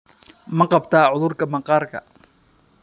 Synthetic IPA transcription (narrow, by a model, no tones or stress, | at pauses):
mɐqɑbt̪ʰaːʕʊðʊrkʰɐmɐqɑːrkʰɐ̰